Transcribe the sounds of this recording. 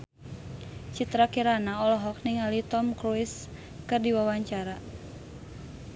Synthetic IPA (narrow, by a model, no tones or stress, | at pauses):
t͡ʃit̪ɾakiɾanaɔlɔɦɔk̚niŋalit̪ɔmkɾuis | kɨrdiwawaɲt͡ʃaɾa